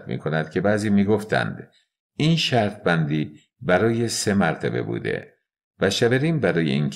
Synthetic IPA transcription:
t̪̚mḭːkʰo̞næd̪̥kcʰe̞bæːziːmiːɡoft̪ʰæ̰nd̪̥ | iːnʃæɾt̪̚ʰbænd̪iː | bæɾɒːje̞se̞mæɾt̪ʰæ̰be̞̰bṵːd̪e̞̰ | væʃæbeɾiːnbæɾɒːjeink

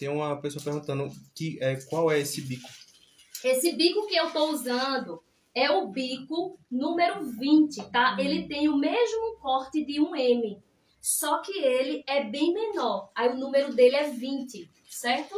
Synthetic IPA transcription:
t̪ẽj̃ũmɐpesoɐpeɾɡũt̪ɐ̃nʊkɪʔɛkwawɛesɪbikʊ̥ | esɪbikʊkɪewt̪ouzɐ̃d̪ʊ | ɛʊbikʊnũmeɾʊvĩt̪ɪt̪aelɪt̪ẽj̃ʊmeʒmʊkɔɾt̪ɪd̪ɪũẽmɪ | sɔkɪelɪɛbẽj̃menɔɾaiʊnũmeɾʊd̪elɪɛvĩt̪ɪ | sɛɾt̪ʊ

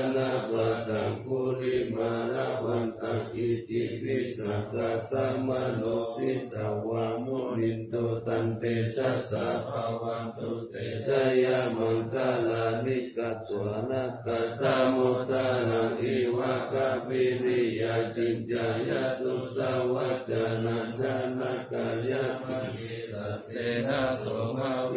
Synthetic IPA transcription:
nabat̪aŋkulimaɾawant̪aŋiikɾisakat̪amanosit̪awamonind̪ot̪ant̪et͡ʃasapawat̪u | et͡ʃajamaŋkalalikat̪uanakat̪amot̪alaŋiwakabiɾijad͡ʒid͡ʒajat̪ut̪awad͡ʒanad͡ʒanakajai | a | enasoma

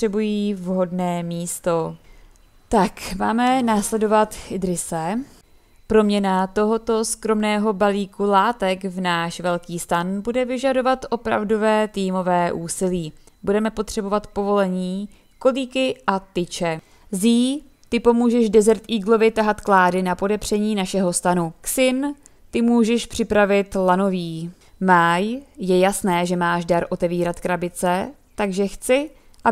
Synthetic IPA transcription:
ɛbujiːvɦo̞dnɛːmiːst̪o̞ | t̪akmaːmɛnaːslɛdo̞vat̪ɪdɾɪsɛ | pɾo̞mɲɛnat̪o̞ɦo̞t̪o̞skɾo̞mnɛːɦo̞baliːkulaːt̪ɛkvnaːʃvɛlkiːst̪anbudɛvɪʒado̞vat̪ʔo̞pɾa̰vdo̞vɛːt̪iːmo̞vɛːʔuːsɪliː | budɛmɛpot̪r̝̥ɛbo̞vat̪po̞vo̞lɛɲiː | ko̞liːkɪʔat̪ɪt͡ʃɛ | ziː | t̪ɪpo̞muːʒɛʒdɛzɛɾt̪iːɡlo̞vɪt̪aɦat̪klaːdɪnapo̞dɛpr̝̥ɛɲiːnaʃɛɦo̞st̪anuksɪn | t̪ɪmuːʒɛʃpr̝̥ɪpɾavɪt̪lano̞viː | maːjjɛjasnɛːʒɛmaːʃdaɾʔo̞t̪ɛviːɾat̪kɾabɪt͡sɛ | t̪aɡʒɛxt͡sɪ | ʔa

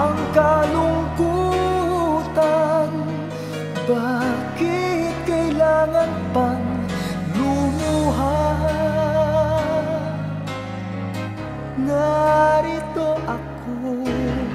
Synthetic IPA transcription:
ʔɐŋkɐlʊŋku | t̪an | baːkɪkɐjlaːŋanpaŋ | lʊmuɦa | ŋaɾit̪oʔɐkʰ | o

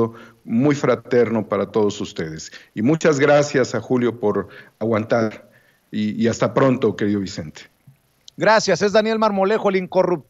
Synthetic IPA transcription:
o | mujfɾat̪e̞ɾno̞paɾat̪o̞ð̞o̞sust̪e̞ðe̞simũt͡ʃazɣɾasjasaxuljo̞po̞ɾaɣwant̪aɾ | iːast̪apɾo̞nt̪o̞ke̞ɾiðo̞βise̞nt̪e̥ | ɡɾasjase̞zðanje̞lmaɾmo̞le̞xoeliŋko̞rup̚t̪

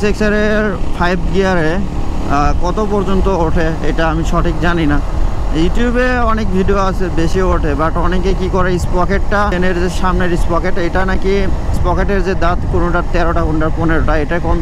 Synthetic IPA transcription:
seksaɾeɾfʰajbɡiaɾe | kɔt̪opɔɾd͡ʑont̪ooʈʰeḛjʈaamiʃɔʈʰikd͡ʑaninajuʈiubeɔnek̚bʱiɖioat͡ɕʰebeʃioʈʰebaʈɔnekekikɔɾeispɔkeʈʈaneɾd͡ʑeʃamneɾispɔkeʈejʈanakispɔkeʈeɾd͡ʑed̪at̪kunuʈaɾt̪ɛɾoʈakunʈaɾponeɾoʈaejʈakɔm

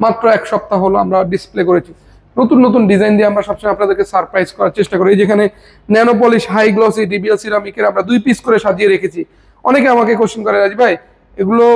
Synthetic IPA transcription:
mat̪ːɾoɛkʃɔp̚t̪aɦoloamɾaɖisplekoɾet͡ɕʰi | not̪unːot̪̬unɖid͡ʑajnd̪ieamɾaʃɔbʃʰoapnad̪eɾkesaɾpɾajzkɔɾaɾt͡ɕeʃʈakoɾeid͡ʑekʰane | nɛnop̬oliʃɦajɡlos̬iɖibielsiɾamikeɾamɾad̪ujpiskoɾeʃad͡ʑieɾekʰet͡ɕʰi | ɔnekeamakekoʃonkɔɾeɾad͡ʑibʱaj | eɡulo

